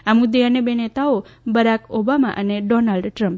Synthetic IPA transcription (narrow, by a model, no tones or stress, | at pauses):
amud̪eənebenet̪aobəɾakobama̰ʔəneɖɔnalɖʈɾə̃mp